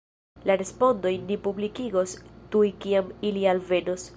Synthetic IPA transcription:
laɾe̞spo̞ndo̞jnipublikiɡo̞stujkiamilialve̞nos

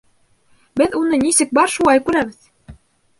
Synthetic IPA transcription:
bɘðunɤnisɘk̚bɑɾʃulˠɑjkʉɾæβɘð

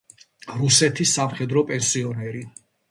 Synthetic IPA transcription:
ɾusɛt̪ʰisːamχɛd̪ɾɔpʼɛnsiɔnɛɾi

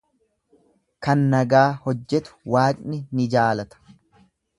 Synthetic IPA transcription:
kɐnːɐɡaːhɔd͡ʒːɛt̪ʊ̥waːkʼnɪnɪd͡ʒaːlɐt̪ɐ̥

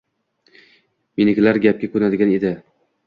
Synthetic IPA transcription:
minɪkʲlaɾɡʲap̚kʲakʰɵnad̪ɪɡʲaned̪ɪ

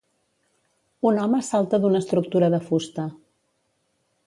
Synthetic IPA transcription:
unɔməsalˠt̪əðunəːst̪ɾuk̚t̪uɾəðəfust̪ə

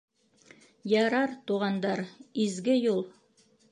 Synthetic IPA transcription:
jɑɾɑɾt̪uʁɑnd̪ɑɾizɡɘjulˠ

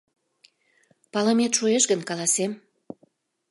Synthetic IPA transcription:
pɑləmet̪ʃueʃɡənkɑlˠɑsem

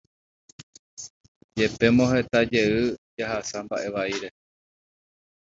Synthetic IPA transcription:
d͡ʒe̞pe̞mõɦe̞t̪ad͡ʒe̞ɨd͡ʒaɦasambaʔe̞ʋaiɾe̞

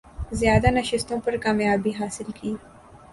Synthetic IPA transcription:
zjɑːd̪anaʃɪst̪õpəɾkɑːmjɑːbiɦɑːsɪlkʰeɡi

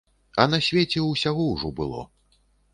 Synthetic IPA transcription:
ɐnɐsʲvʲet͡sʲɛuwsʲaɣɔwʐɔbɨ̰lˠɔ̰

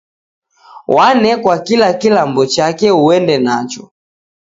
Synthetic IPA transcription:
wanɛkwakilakilambɔt͡ʃakɛuɛndɛnat͡ʃɔ

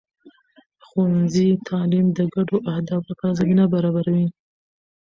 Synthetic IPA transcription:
xanzit̪ʰɑlimd̪əɡaɖoʔahd̪ɑflapazabinabaɾɑbaɾawi

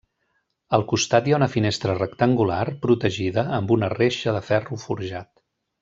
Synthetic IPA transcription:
əlˠkust̪at̪jaunəfinest̪ɾərəkt̪əŋɡularpɾut̪əʒiðəːmbunəreʃəðəfɛrufuɾʒat̪

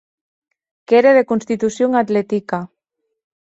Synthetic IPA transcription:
keɾeðekunst̪it̪usjoŋat̪let̪ika

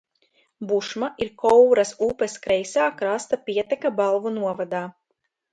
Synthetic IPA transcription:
buʃmaʔiɾkɔwɾasuːpeskɾɛjsaːkɾast̪apʲiɛt̪ɛkabalˠvunuɔvad̪aː

